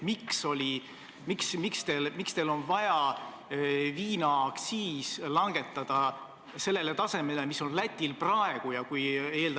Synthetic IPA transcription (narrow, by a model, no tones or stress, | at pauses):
mikso̞lʲi | miksmikst̪e̞lmikst̪elo̞nvɑjɑ | viːnɑksiːslɑŋɡ̥e̞t̪ːˑɑd̪̥ɑ | se̞lːe̞le̞t̪ɑse̞me̞lemiso̞nlæt̪ʲːˑilprɑe̞ɡ̥ujɑkuje̞ːld̪